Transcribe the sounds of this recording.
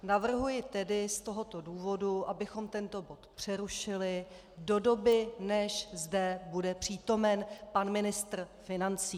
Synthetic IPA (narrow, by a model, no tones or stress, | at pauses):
navr̩ɦujɪt̪ɛdɪst̪o̞ɦo̞t̪o̞duːvo̞duʔabɪxo̞mt̪ɛnt̪o̞bo̞t̪pr̝̥ɛɾuʃɪlɪ | do̞do̞bɪnɛʃzdɛbudɛpr̝̥iːt̪o̞mɛnpanmɪnɪst̪r̩fɪnant͡siː